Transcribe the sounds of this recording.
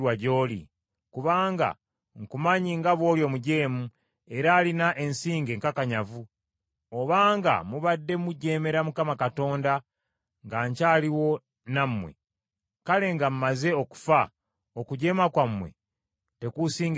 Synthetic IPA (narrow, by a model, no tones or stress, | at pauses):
waɟo̞ːlḭ | kuβaːŋɡa̰ | ŋkumaɲiŋɡaβwo̞ːljo̞muɟe̞ːmu | e̞ɾaːlinaʔe̞nsiːŋɡe̞ŋkakaɲavu | oβaːŋɡa̰muβadːe̞muɟe̞ːme̞ɾamukamakato̞ːnda | ŋɡaːɲcaːliwo̞ | namːwe̞̰ | kale̞ŋɡam̩maze̞oku̥fa | okuɟe̞ːmakwamːwe̞̰ | te̞kusiːŋɡ